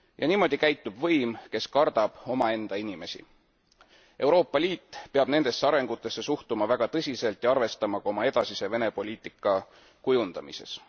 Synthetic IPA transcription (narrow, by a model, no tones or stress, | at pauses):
jʔɑniːmo̞d̪̥ikæjt̪ːˑub̥vɤjmke̞skɑrd̪ɑb̥o̞mɑe̞nd̪̥ɑinime̞sḭ | ʔe̞wɾo̞ːpːˑɑlʲiːt̪ːpe̞ɑb̥ne̞nd̪̥e̞sːeɑɾe̞ŋɡ̥ut̪ːˑe̞sːe̞suht̪umɑvæɡ̥ɑt̪ɤsʲise̞lt̪jɑɑrve̞st̪ɑmɑɡ̥ɑo̞mɑe̞d̪̥ɑsise̞ve̞ne̞po̞lʲiːt̪ˑikːˑɑ | kujund̪̥ɑmise̞̰s